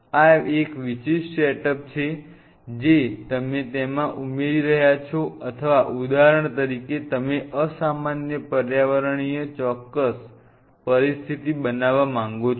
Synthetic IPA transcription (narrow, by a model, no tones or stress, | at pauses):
aekʋit͡ʃiʃsɛʈəp̚t͡ʃʰe | d͡ʒet̪əmet̪emãʔumeɾiɾəɦjat͡ʃʰoət̪ʰəʋaʔud̪aɾəɳ̃t̪əɾiket̪əmeʔəsamanjəpəɾjaʋəɾəɳ̃ijet͡ʃɔkːəs | pəɾist̪ʰit̪ibənaʋamãŋɡot͡ʃʰ